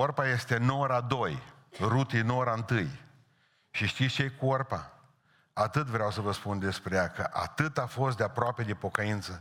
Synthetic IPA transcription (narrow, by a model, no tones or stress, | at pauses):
orpaje̞st̪e̞noɾad̪o̞jrut̪inoɾaɨnt̪ɨj | ʃiʃt̪it̪st͡ʃekuorpa | at̪ɨt̪vɾeawsəvəspund̪e̞spɾejakəʔa̰t̪ɨt̪afo̞st̪d̪eapɾoape̞d̪epo̞kəint̪sə